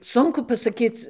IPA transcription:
ˈsʊŋkʊ pɐsɐˈkʲiːt͡s

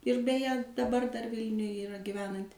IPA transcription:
ɪr bʲɛˈjɛ dɐˈbɐr dɐr ˈʋʲɪlʲnʲʊj iːˈrɐ ɡʲɪˈʋʲæːnɐnʲtʲɪ

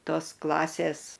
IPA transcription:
ˈtoːs ˈklˠɑːsʲeːs

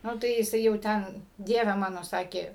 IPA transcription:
ˈnʊ tɐɪ jɪˈsɐɪ jɛʊ ˈtʲɛn ˈdʲiɛʋʲɛ ˈmɑːnoː ˈsɑːkʲeː

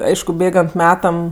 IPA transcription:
ˈɐɪʃkʊ ˈbʲeːɡɐnt ˈmʲæːtɐm

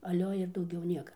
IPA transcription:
ɐˈlʲoː ɪr dɐʊˈɡʲɛʊ ˈnʲiɛkɐ

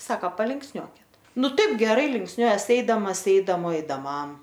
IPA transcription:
ˈsɑːkɐ pɐlʲɪŋksʲˈnʲuɔkʲɪt ˈnʊ ˈtɐɪp ɡʲɛˈrɐɪ lʲɪŋksʲˈnʲuɔjɛs ˈɛɪdɐmɐs ˈɛɪdɐmoː ɛɪdɐˈmɐm

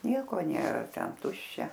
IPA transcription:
ˈnʲiɛkoː ˈnʲeːrɐ ˈtʲɛn ˈtʊʃʲt͡ʃʲɛ

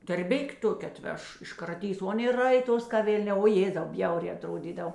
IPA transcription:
tɐrʲˈbʲɪkʲ ˈtoːkʲɛ ɐˈtʲʋʲɛʃ ɪʃkrɐˈtʲiːs oː ˈɑːˌnʲeː ˈrɐɪˌtoːs kɐ ˈʋʲeːlʲˌnʲɛː oː ˈjeːzɐʊ ˈbʲjɛʊrʲɛː ɐˈtroːdʲiːdɐw

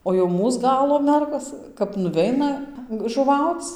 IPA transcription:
oː jɛʊ ˈmuːs ˈɡɑːlˠoː ˈmʲɛrɡoːs kɐp nʊˈʋʲɛɪnɐ ʒʊˈʋɐʊt͡s

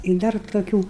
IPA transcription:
ɪ ˈdɐr toːˈkʲuː

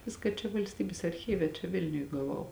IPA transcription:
ˈʋʲɪskɐ t͡ʃʲɛ ʋɐlʲsʲˈtʲiːbʲeːs ɐrʲˈxʲiːʋʲɛ t͡ʃʲɛ ˈʋʲɪlʲnʲʊj ɡɐˈʋɐʊ

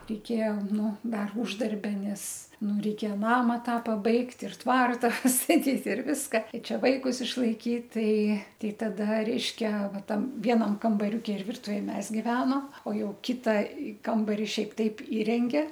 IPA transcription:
rʲɛɪˈkʲeːjɛ ˈnʊ ˈdɐr ʊʒdɐrʲˈbʲɛ ˈnʲɛs ˈnʊ rʲɛɪˈkʲeːjɛ ˈnɑːmɐ ˈtɑː pɐˈbɐɪkt ɪr ˈtʋɐrtɐ pɐstɐˈtʲiːt ɪr ˈʋʲɪskɐ ɪ ˈt͡ʃʲɛ ʋɐɪkʊs ɪʃlˠɐɪˈkʲiːt ˈtɐɪ ˈtʲɛɪ tɐˈdɐ ˈrʲɛɪʃʲkʲɛ ˈʋɐ ˈtɐm ˈʋʲiɛnɐm kɐmbɐˈrʲʊkʲɪ ɪr ˈʋʲɪrtʊʋʲeːj ˈmʲɛs ɡʲɪˈʋʲæːnoː oː ˈjɛʊ ˈkʲɪtɐ ˈkɐmbɐrʲɪ ˈʃʲɛɪp ˈtɐɪp ˈiːrʲɛŋʲɡʲɛ

